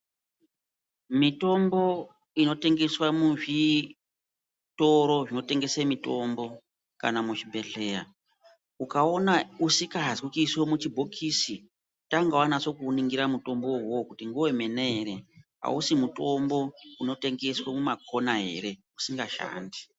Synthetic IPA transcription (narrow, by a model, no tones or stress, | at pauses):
mito̞mbo̞ | ino̞te̞ŋɡe̞swamuʐi | to̞ɾo̞ʐino̞te̞ŋɡe̞semito̞mbo̞ | ka̰namut͡ʃibʱe̞ɮe̞ːɾa | ukaonausikaɦzikukiswomut͡ʃibʱokʰisi | taŋɡawanat͡ʃo̞kuniŋɡiɾamuto̞mbo̞wokutiŋɡuwe̞me̞neeɾe̞ɦa̰usimuto̞mbo̞uno̞te̞ŋɡe̞swemumako̞naɦe̞̰ɾe̞ | usiŋɡaʃa̰ːndi